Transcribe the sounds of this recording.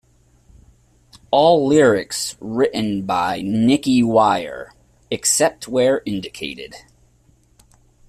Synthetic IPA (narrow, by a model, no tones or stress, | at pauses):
ɔlˠlɪɹɪksɹɪʔn̩baɪnɪkiwaɪə̰˞ | ɨksɛp̚t̚wə˞ʔɪ̃ndɨkʰeɪɾɪ̰d̥